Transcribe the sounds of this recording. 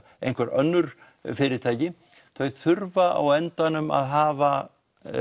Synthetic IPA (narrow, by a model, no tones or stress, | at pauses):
ḛjnkvaɾœnːʏɾ̥ | fɪɾɪɾt̪ʰaːjcɪ | θœɥθʏɾvaʔa̰wɛnt̪anʏma̰ðɦaːva